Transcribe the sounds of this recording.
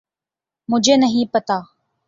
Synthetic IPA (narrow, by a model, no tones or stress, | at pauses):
mʊ̃d͡ʒʱeːnəɦĩpət̪aː